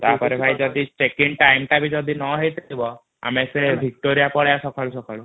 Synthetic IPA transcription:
t̪aɦpɔɾebʱajd͡ʒɔd̪ʱisekeɳɖ̚ʈajmʈabʱid͡ʒɔd̪ʱinɔɦejt̪ʰibɔ | a̰mesebʱik̚ʈoɾijapɔɭjasɔkʰaɭusɔkʰaɭu

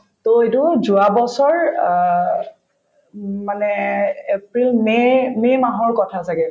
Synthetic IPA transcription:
toetʊzuabɔsɔɹ | manɛepɹilmɛmɛmaɦɔɹkɔtʰasaɡɛ

